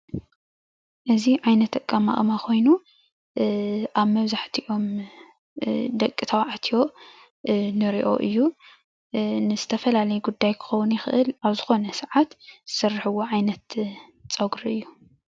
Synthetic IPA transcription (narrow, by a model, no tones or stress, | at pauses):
ʔɨziʕajnɐt̪ːɐkʼːama̰ʔʼmakʰo̞jnu | ʔaβmɐβzaħt̪ʰiʔo̞m | d̪ɐkʼːɨt̪ʰawʕat̪ʰijo̞ | nɨɾiʔo̞̰ʔɨjːu | nɨzɨt̪ʰɐfɐlalɐjuɡud̪ːajkʰɨ̥xɐwʊnjɪxɨʔɨlaβzɨxo̞nɐsʕat̪z̥ɨsɐrːħɨwoʕajnɐt̪ | t͡sʼɐɡɾʔɨjːu